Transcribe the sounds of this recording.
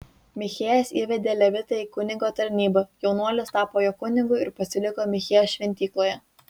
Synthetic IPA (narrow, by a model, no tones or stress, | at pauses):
mʲɪxʲeːjɛsiːʋʲɛd̪ʲeːlʲɛʋʲɪt̪ɐiːkʊnʲɪŋɡoːt̪ɐɾʲnʲiːbɐjɛʊnuɔlʲɪst̪ɑːpoːjoːkʊnʲɪŋɡʊɪɪɾpɐsʲɪlʲɪkoːmʲɪxʲeːjɛːsʃʲʋʲɛnʲt̪ʲiːklˠoɔːjɛ